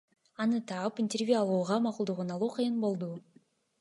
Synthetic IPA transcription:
ɑnɯt̪ɑɯpinʲtʲervʲjuɑlˠuːʁɑmɑqulˠd̪uʁunɑlˠuːqʰɯjɯnbo̞lˠd̪u

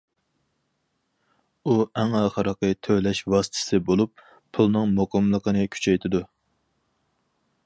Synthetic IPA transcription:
uæŋɑːχəɾəqət̪ʰølɛʃwɑsɨ̥t̪ʰɪ̥sɨbolˠup̚ | pʰulˠnɨŋmoqɑmlˠəqənɨkʲʰy̥t͡ʃʰɛjt̪ʰɪd̪u

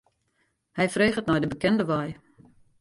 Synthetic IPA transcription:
hɛjfreːχətnɔjdəbəkɛndəʋɔj

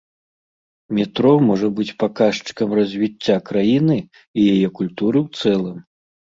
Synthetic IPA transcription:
mʲit̪ɾɔmɔʐɐbɨt͡sʲpakaʂt͡ʂɨ̥kɐmrɐzʲvʲit͡sʲːakɾajinɨ | ijajɛkulʲt̪uɾɨwt̪sɛlˠɐm

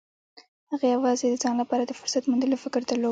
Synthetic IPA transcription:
haɣajawɑzed̪əd͡zɑnlapɑɾad̪əfʊɾsat̪mund̪əlofɪkəɾd̪alo

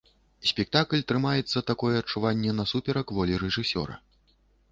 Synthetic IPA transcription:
sʲpʲɛk̚t̪aklʲt̪ɾɨmajɛt̪sːɐt̪akɔjɛɐt͡ʂːuvanʲːɛnɐsupʲɛɾɐkvɔlʲiɾɛʐɨsʲɔ̰ɾɐ̰

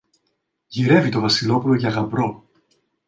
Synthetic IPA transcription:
ʝiɾe̞vit̪o̞vɐsilo̞pulo̞ʝɐɣɐmbɾo̞

